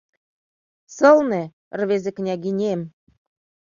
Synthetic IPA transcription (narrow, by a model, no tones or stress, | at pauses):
sɤ̆lˠnĕ | rβʲezĕknʲɑɡʲinʲem